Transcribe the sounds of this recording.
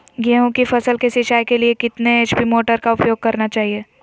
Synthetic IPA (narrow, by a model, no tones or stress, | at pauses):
ɡɛɦõkifʰɐsəlkesɪʃaːjkeliekɪt̪neʃpimoːʈəɾkaʊpjoːɡ̚kɐɾnat͡ʃaːɦieː